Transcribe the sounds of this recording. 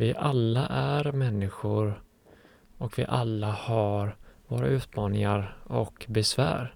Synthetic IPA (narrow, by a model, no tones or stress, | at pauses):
vɪʔalːaʔæɾmɛnːɪɧʊɾ | ɔkvɪ̰ʔalːahaɾvoːɾaʉ̟ːt̪mɑːnɪŋaɾɔkbɛsvæ̰ːɾ